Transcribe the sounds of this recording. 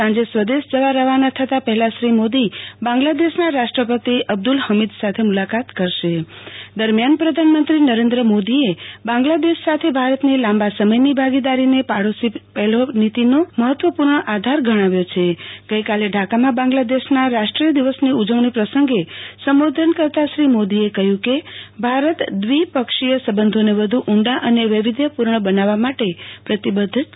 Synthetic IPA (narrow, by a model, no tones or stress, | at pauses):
sãɲd͡ʒesʋəd̪eʃd͡ʒəʋaɾəɦʋanat̪ʰət̪apəɦɛlaʃɾimod̪ibãŋɡlad̪eʃnaɾaʃʈɾəpət̪iəb̚d̪ulhəmid̪sat̪ʰemulakat̪kəɾʃed̪əɾmjanpɾəd̪ʱanmənt̪ɾinəɾend̪ɾəmod̪iebãŋɡlad̪eʃsat̪ʰebʱaɾət̪nilãmbasəməjnibʱaɡid̪aɾinepaɽosipɛlonit̪inoməɦət̪ʋəpuɾɳəʔad̪ʱaɾɡʱəɽ̃aʋjot͡ʃʰeɡ̥əjkaleɖʱakamãbãŋ̆ɡlad̪eʃnaɾaʃʈɾijəd̪iʋəsniud͡ʒəʋnipɾəsəŋɡesəmʋod̪ʱənkəɾt̪aʃɾimod̪iekəɦjũkebʱaɾət̪d̪ʋipəkʂijəsəbənd̪ʱoneʋəd̪ʱuʔuɳɖaʔəneʋiʋid̪jəpuɾɳəbənaʋamaʈepɾət̪ibəd̪ʱt̪